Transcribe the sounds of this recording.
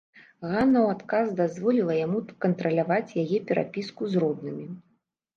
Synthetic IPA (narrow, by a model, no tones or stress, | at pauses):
ɣanːɐwat̪kazd̪azvɔlʲilˠɐjamukɐnt̪ɾɐlʲavat͡sʲjajɛpʲɛɾʔa̰pʲiskuzrɔd̪nɨmʲi